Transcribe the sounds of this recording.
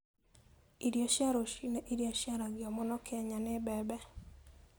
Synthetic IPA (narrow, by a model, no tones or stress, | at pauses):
iɾjaʃjaɾoʃinɛʔiɾjaʃjaɾaɡɪɔmɔnɔkʰɛɲanɪbɛbɛ